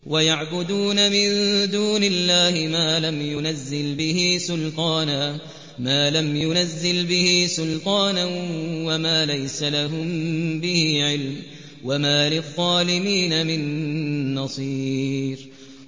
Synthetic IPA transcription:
wajaʕbʊd̪uːnamɪnd̪uːnɪlːaːhɪmaːlamjʊnazːɪlbɪhiːsʊlqɑːnaː | maːlamjʊnazːɪlbɪhiːsʊlq̪ɑːnawamaːlajsalaɦʊmbɪhiːʕɪlm | wamaːlɪɣːɑːlɪmiːnamɪnː | ɑsˤiːɾ

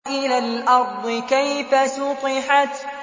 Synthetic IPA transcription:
ʔɪlaːlʔɑɾˤd̪ˤɨkajfasʊqɨħat̪

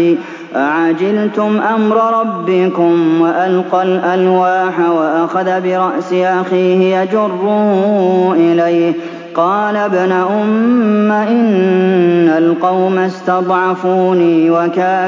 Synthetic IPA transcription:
ʔaʕad͡ʒɪlt̪ʊmʔamɾˤɑɾˤɑbːɪkʊmwaʔalqɑlʔalwaːħawaʔaxaðabɪɾˤɑʔsɪʔaxiːhɪjad͡ʒʊrːʊːʔɪlajh | qɑːlabnaʔʊmːaʔɪnː | alqɑwmast̪ɑd̪ˤʕɑfuːniːwakaː

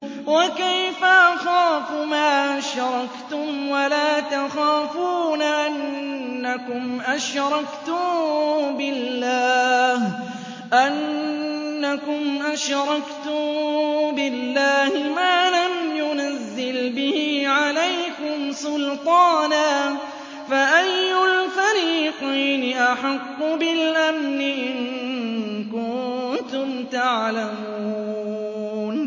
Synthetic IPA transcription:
wakajfaʔaxaːfʊmaːʔaʃɾˤɑkt̪ʊmwalaːt̪axaːfuːnaʔanːakʊmʔaʃɾˤɑkt̪ʊ | bɪːaːh | ʔanː | akʊmʔaʃɾˤɑkt̪ʊ | bɪlːaːhɪmaːlamjʊnazːɪlbɪhiːʕalajkʊmsʊlt̪ˤɑːnaː | faʔajːʊlfaɾiːqiːnɪʔaħɑqːʊbɪlʔamnɪʔɪnɪnkʊnt̪ʊmt̪aʕlamuː | n

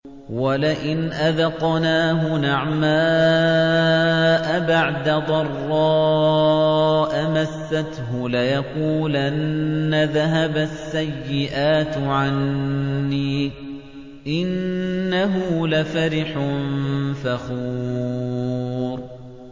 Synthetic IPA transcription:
walɪʔɪnʔaðɑqnaːɦʊnaʕmaː | ʔabaʕd̪ad̪ˤɑrˤːɑː | ʔamasːat̪ɦʊlajaquːlʔanːaðaɦabasːajːɪʔaːt̪ʕanː | iː | ʔɪnːaɦʊlafaɾɪħnfaxuː | ɾ

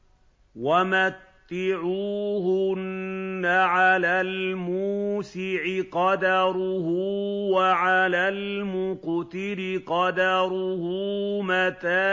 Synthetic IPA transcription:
wamat̪ːɪʕuːhʊnːaʕalaːlmuːsɪʕɪqɑd̪ɑɾʊhuwaʕalaːlmʊqt̪ɪlɪqɑd̪ɑɾʊhuːmat̪aː

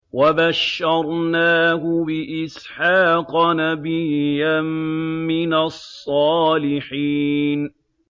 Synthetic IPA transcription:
wabaʃːɑɾˤnaːɦʊbɪʔɪs | ħɑːqɑnabɪjammɪnasˤːɑːlɪħiːn

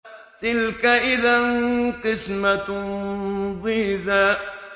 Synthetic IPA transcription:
t̪ɪlkaʔɪðanqɪsmat̪ʊ | bɪhðaː

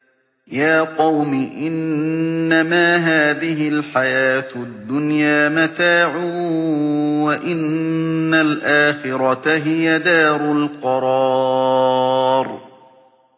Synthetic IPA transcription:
jaːqɑwmɪʔɪnː | amaːɦaːðɪɦɪlħajaːt̪d̪ːʊnjaːmat̪aːʕuː | waʔɪnːalʔaːxɪɾˤɑt̪aɦɪjad̪aːɾˤʊlqɑɾˤɑː | ɾ

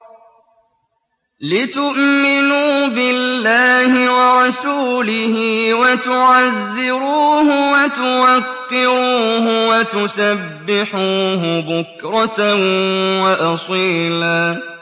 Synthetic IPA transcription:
lɪt̪ʊʔmɪnuːbɪlːaːhɪwɑɾˤɑsuːlɪhɪwat̪ʊʕazːɪɾuːhʊwat̪ʊwakːɪɾuːɦʊwat̪ʊsabbːɪħuːɦʊbʊkɾˤɑt̪ | waʔɑsˤiːlaː

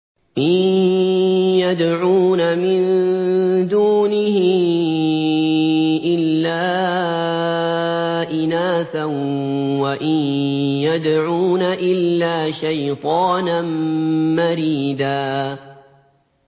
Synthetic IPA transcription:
ʔɪn | jad̪ʕuːnamɪn | d̪uːnɪhɪ | ʔɪlːaː | ʔɪnaːθanwaʔɪnjad̪ʕuːnaʔɪlːaːʃajt̪ˤɑːnanmaɾiːd̪aː

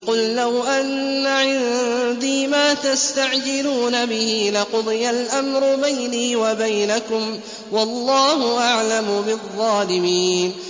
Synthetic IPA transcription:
qʊllawʔanːaʕɪnd̪iːmaːt̪ast̪aʕd͡ʒɪluːnabɪhiːlɪqʊd̪ˤɨjalʔamɾʊbajniːwabajnakʊm | wɑlˤːɑːhʊʔaʕlamʊbɪðˤːɑːlɪmiːn

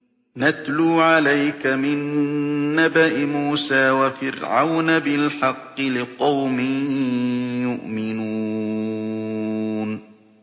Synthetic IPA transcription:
nat̪luːʕalajkamɪnː | abaʔɪmuːsaːwafɪɾʕa̰wnabɪlħɑqːɨlɪqɑwmɪ | jʊʔmɪnuː | n

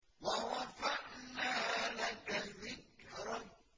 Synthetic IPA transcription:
waɾɑfaʔnaːlakalmɪkɾˤɑ

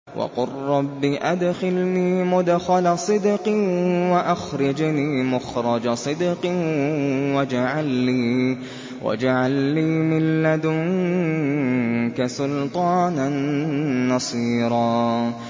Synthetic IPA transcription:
wɑ̰qʊrːɑbːiʔad̪xɪlniːmʊd̪xalasˤɨd̪qiwaʔaxɾɑd͡ʒniːmʊxɾˤɑd͡ʒasˤɨd̪qi | wad͡ʒaʕalːiː | wʔa̰d͡ʒaʕalːiːmɪlːad̪ʊŋ | kasʊlt̪ˤɑːnanː | ɑsˤiːɾˤɑː

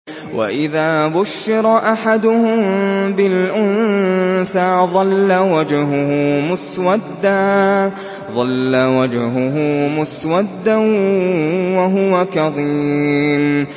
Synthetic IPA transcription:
wʔa̰ʔɪðaːbʊʃːɪɾˤɑʔaħad̪ʊhʊmbɪlʔʊnθaːðˤɑlːawad͡ʒɦʊhʊmʊswad̪ːaː | ðˤɑlːawad͡ʒhʊɦʊmʊswad̪ːa | waɦʊwakɑðˤiːm

